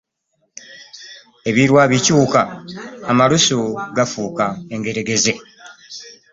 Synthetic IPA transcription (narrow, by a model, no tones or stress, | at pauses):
e̞βiɾwaːβicuːkaː | malusuɡafuːkae̞ŋɡe̞ɾe̞ɡe̞ze̞